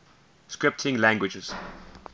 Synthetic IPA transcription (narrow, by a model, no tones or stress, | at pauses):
skɹɪp̚tʰɪ̃ŋlæ̃ŋɡwɪd͡ʒəz̥